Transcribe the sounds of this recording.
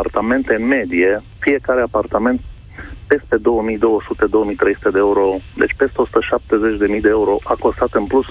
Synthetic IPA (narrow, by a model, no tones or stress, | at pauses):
art̪ame̞nt̪eɨnme̞d̪ije | fije̞kaɾe̞apart̪ame̞nt̪̚ | pe̞st̪e̞d̪o̞wəmijd̪o̞wəsut̪e̞d̪o̞wəmijt̪ɾe̞jsu̥t̪e̞d̪eeuɾo̞d̪et͡ʃʲpe̞st̪e̞o̞su̥t̪əʃap̚t̪e̞ze̞t͡ʃʲd̪e̞mijd̪eeuɾo̞ʔako̞st̪at̪ɨnplus